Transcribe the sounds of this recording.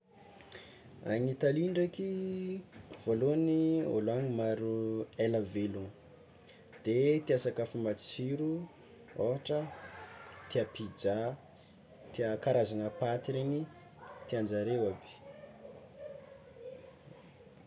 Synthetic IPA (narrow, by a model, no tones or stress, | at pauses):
a̰ɲit̪aliɳɖ͡ʐaki | v̥oloanio̰laŋimaɾuelavelun | d̪̥et̪iasakəfumat͡siɾu | oaʈ͡ʂə | t̪iapid͡ʒa | t̪iakaɾazanəpat̪iɾeni | t̪iand͡ʒaɾewabi̥